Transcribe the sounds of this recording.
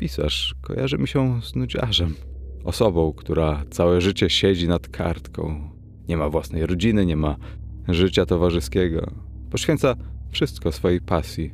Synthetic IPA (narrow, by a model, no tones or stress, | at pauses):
pʲisa̰ʂkɔ̰ja̰ʐɘmʲiɕɛznud͡ʑa̰ʐɛmɔsɔbɔ̃w̃kt̪uɾat̪sawɛʐɘt͡ɕɛɕɛd͡ʑinat̪kʰa̰ɾt̪kɔ̰̃w̃ | ɲɛmavwasnɛjɾɔd͡ʑinɘɲɛmaʐɘt͡ɕat̪ɔvaʐɘskʲɛɡɔ̰ | pɔɕfʲɛnt̪safʂɘst̪kɔsfɔjejpasʲji